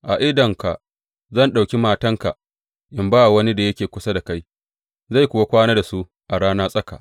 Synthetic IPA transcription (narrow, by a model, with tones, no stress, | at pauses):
ʔa˨ʔɪ˦dɐ˨ŋka˨ʔ | zɐ˦˨nɗa˨wkʲi˦maː˦tɐ˦ŋka˨ʔ | ʔɪ˨mbaː˦a˨wɐ˦ni˦da˨jɐ˦kʲeː˨kʷʊ˦sa˦da˨ka˦j | za˦˨jkʷʊ˨wa˦kʷaː˦naː˦da˨su˦ | ʔa˨ɽaː˦naː˦sʼɐ˦ka̰˨ʔ